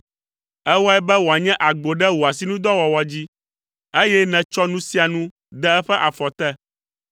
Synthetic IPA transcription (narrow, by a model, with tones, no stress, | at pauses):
ɛ˦wɔ˦ɛ˦bɛ˦wo˨a˨ɲɛ̃˦ʔa˨ɡ͡bo˨ɖɛ˦wo˨a˨s̬i˨˦nũ˦d̪ɔ˦wɔ˨wɔ˨d͡ʑi˦ | e˦jɛ˦nɛ̃˨t͡ʃɔ˦nũ˦si˦a˨nũ˦ | d̪ɛ˦ɛ˦ɸɛ˦ʔa˨fɔ˨t̪ɛ˦